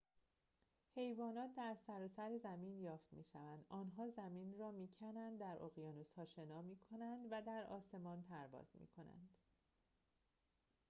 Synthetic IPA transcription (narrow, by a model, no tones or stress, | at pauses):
he̞jvɒːnɒːt̪̚ʰd̪æɾsæɾɒːsæɾezæmiːnjɒːft̪mḭːʃævænd̪ʔɒːnɦɒːzæmiːnrɒːmiːcʰænænd̪d̪ːæɾʔoɣijɒːnoshɒːʃe̞nɒːmiːkʰo̞nænd̪væd̪æɾɒ̰ːse̞mɒːnpʰæɾvɒ̰ːz̥mḭːkʰo̞næ̰nd̪̥